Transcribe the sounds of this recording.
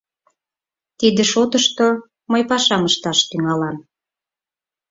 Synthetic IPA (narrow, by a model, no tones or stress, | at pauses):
t̪id̪eʃot̪əʃt̪o | məjpɑʃɑməʃt̪ɑʃt̪yŋɑlɑm